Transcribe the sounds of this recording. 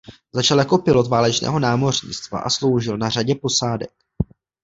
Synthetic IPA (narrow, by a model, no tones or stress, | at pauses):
zat͡ʃaljakopɪlot̪vaːlɛt͡ʃnɛ̰ːɦo̞naːmo̞rɲɪ̰t͡st̪va̰ʔa̰slo̞wʒɪlnaraɟɛpo̞saːdɛk̚